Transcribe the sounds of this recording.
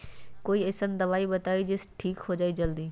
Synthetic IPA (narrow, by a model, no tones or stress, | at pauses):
koːiesənd̪ɐʋaːibɐt̪aːid͡ʑɪsʈʰiːkɦod͡ʑaːid͡ʑɐld̪iː